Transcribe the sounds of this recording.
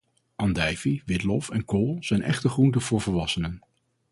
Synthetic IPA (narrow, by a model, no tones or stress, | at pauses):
ʔɑndɛjviʋɪtlɔfɛnkolˠz̥ɛjnʔɛ̰χtəχruntəv̥ʊːɹvəɹʋɑsənən